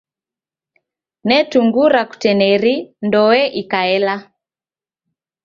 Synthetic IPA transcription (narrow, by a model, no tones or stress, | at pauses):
nɛtuŋɡuɾaku̥tɛnɛɾindɔwɛʔikaɛla